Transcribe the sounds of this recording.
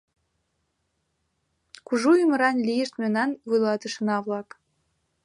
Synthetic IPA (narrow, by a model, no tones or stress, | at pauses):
kuʒujymə̆ɾɑnlijeʃt̪menɑnvujlˠɑt̪ə̆ʃɤ̆nɑβlɑk